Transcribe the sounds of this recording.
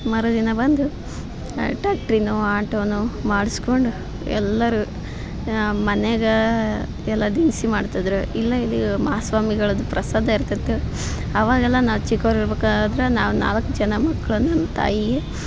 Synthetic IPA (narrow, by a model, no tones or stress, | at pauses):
mɐɾod̪inɐbɐnd̪u | ʈaːk̚ʈɾinuaːʈoːnumaːɽuskoɳɖu | ɛ̰lːɐɾu | mɐneɡɐ | ɛlːɐd̪insimaːɖt̪ɐd̪ɾuilːɐilːimɐɦasʋaːmiɡɐɭɐd̪upɾɐsaːd̪ʱɐiɾt̪ɐt̪ːu | ɐʋaːɡɛlːɐnaːʋut͡ʃikːoɾiɾbeːkaad̪ɾenaːʋuna̰ːlɐkːud͡ʒɐnɐmɐkːɐɭunɐmːɐt̪ʰa̰ːjie